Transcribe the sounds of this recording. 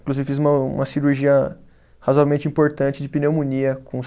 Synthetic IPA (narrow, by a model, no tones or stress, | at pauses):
kluzivɪfizũmɐṵ̃mɐsiɾuɾʒiɐ | hazoavewmẽnt͡ʃɪĩpoɾt̪ɐ̃nt͡ʃɪd͡ʒɪpinewmũniɐkõ